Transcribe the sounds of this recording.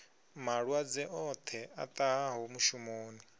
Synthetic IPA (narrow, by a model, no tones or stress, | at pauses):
maɺwad͡zɛʔɔt̪ʰɛat̪ʼaɦaɦomuʃumoːni